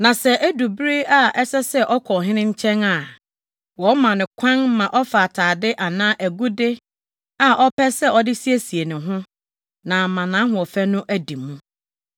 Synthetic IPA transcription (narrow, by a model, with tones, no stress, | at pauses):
nã˨sɛ˨ʔæ˦du˨bɾi˦a˦ʔɛ˦sɛ˦sɛ˦ʔɔ˦kʰɔ˨ɦɪ̃˦nɪ̃˦ɲ̩˦t͡ɕʰɛ̃˦na˨ | wɔ˨˦mã˨nɪ̃˨kʷʰã˦n˦mã˨ʔɔ˦fa˨tʰaː˨dɪ˦ʔa˨nãː˦ʔæ˨ɡu˦de˦ | a˨ʔɔ˦pʰɛ˦sɛ˦ɔ˦dɪ˦si˦e˦si˨e˨nʊ̃˨ɦʊ̃˦ | nã˨mã˨nã˨˦ɦʊ̃˨ɔ˨fæ˦nʊ̃˦ʔæ˨di˨mːũ˦